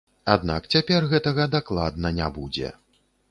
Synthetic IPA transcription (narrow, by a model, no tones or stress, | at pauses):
ad̪na̰kt͡sʲapʲɛrɣɛt̪ɐɣɐd̪aklˠad̪nɐnʲabud͡zʲɛ̰